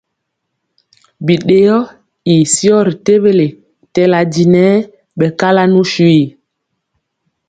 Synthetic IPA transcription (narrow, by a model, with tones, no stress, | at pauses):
bi˨ɗe˨jɔ˦ | i˨sjɔ˦ɾi˨te˦βe˦le˨ | tɛ˨la˨di˨nɛ˨˦ | ɓɛ˨ka˦la˦nu˦ʃwi˦˨